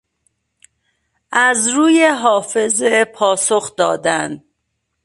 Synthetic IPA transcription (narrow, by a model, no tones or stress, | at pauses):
ʔæzɾuːjeɦɒːfe̞zepʰɒːso̞xd̪ɒ̰ːd̪ænd̪